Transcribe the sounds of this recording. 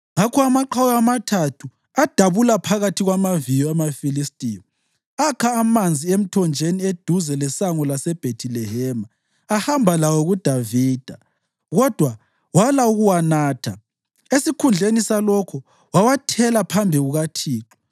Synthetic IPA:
ŋakʰɔamaǃʰawjɔamatʰatʰu | ad̥ʱaβulapʰaɣatʰiɣwamavijɔamafilistʼijɔ | akʰaːmand͡zʱiem̩tʰɔnd͡ʒʱenied̥ʱuzɛlɛsaŋɔlasɛb̥ʱetʰilɛɦɛmaː | hambʱalawɔɣud̥ʱaviːd̥ʱa | ɣɔd̥ʱwa | walauɣuwanaːtʰa | esikʰund͡ɮʱenisalɔkʰɔ | wawatʰɛlapʰambʱiɣuɣatʰiːǁɔ̥

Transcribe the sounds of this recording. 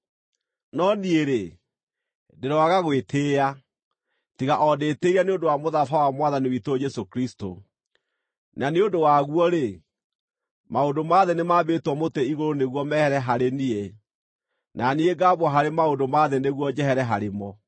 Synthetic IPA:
nɔnieɾe | deɾɔaɣaɣwetʰeːa | tiɣaʔɔdeːteiɾaneondowamoðafawamwaðaniwitod͡ʒɛsokɾisto̰ | naneondowaɣwɔɾe | maondomaðenemaːbetwɔmoteiɣoɾoneɣwɔmɛhɛɾɛɦaɾenie | nʔanieɡaːbwɔɦaɾemaodomaðeneɣwɔd͡ʒɛɦɛɾɛɦaɾemɔ

